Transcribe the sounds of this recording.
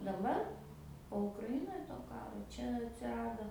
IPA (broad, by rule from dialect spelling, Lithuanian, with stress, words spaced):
dɐˈbɐr poː ʊkrɐˈɪnoːj toː ˈkɑːroː ˈt͡ʃʲɛ ɐtʲsʲɪˈrɑːdoː